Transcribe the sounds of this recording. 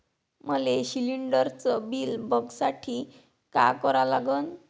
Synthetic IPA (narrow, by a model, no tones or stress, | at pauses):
məleɕiliɳɖəɾt͡sɔbilbʱəɡsaʈʰi | ka̰kɔɾalaɡən